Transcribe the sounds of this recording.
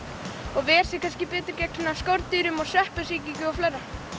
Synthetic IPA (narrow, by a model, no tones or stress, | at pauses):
ɔɣvɛɛɾ̥sɪkʰanscɪpɛːt̪ɪɾcɛknɪnːaskowɾt̪iɾʏmɔsɛhpɪsiːcicʏɔflajɾa